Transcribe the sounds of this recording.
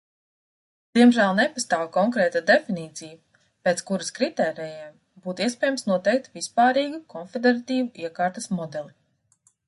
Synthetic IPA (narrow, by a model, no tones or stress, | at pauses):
d̪̥iɛmʒæːlˠnepast̪aːwkɔŋkɾɛːt̪ad̪efiniːt̪siju | peːtskuɾaskɾit̪ɛːɾɛːjɛm | buːt̪iɛspʲɛːjamsnuɔt̪ɛjk̚t̪vispaːɾiːɡukʰɔnfʲed̪eɾat̪iːvuʔiɛkaːɾt̪ɐsmɔd̪ɛlˠi